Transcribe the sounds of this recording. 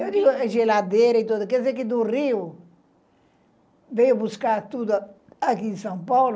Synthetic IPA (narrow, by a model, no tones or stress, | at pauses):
ewd̪iɡuɐʒelad̪eɾɐit̪od̪ɐkɛd̪zeɾkɪd̪uriu | vejubuskaɾt̪ud̪u | ɐkĩsɐ̃w̃pawl